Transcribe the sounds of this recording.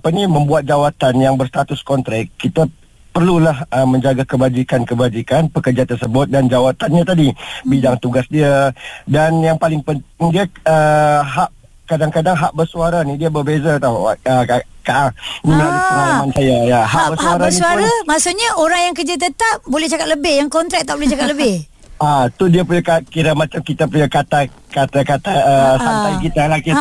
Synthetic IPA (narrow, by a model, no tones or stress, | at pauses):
apaniməmbuat̪̚d͡ʒawat̪anjaŋbərst̪at̪ʊskɔnt̪ɾakit̪a | pərlulahəmə̃ɲd͡ʒaɡakəbad͡ʒikankəbad͡ʒikanpəkərd͡ʒat̪ərsəbʊt̪̚dand͡ʒawat̪anɲat̪adibidaŋt̪uɡasdiadanjaŋpalɪŋpənt̪ɪŋdiaəɦaʔ | kadaŋkadaŋɦaʔbərsuaɾanidiəbərbezat̪awəakaʔanimaənalamansajajaɦabəsauaɾansuaɾamasuʔɲaʔoɾaŋjaŋkəd͡ʒət̪̬ət̪ap̚bolɛht͡ʃakat̪̚ləbɪhjaŋkɔnt̪ɾɛk̚t̪ːaʔbolɛht͡ʃakat̪̚ləbɪh | at̪udiəpuɲakakiɾamat͡ʃamkit̪apuɲakat̪akat̪akat̪aəsampajkit̪alaki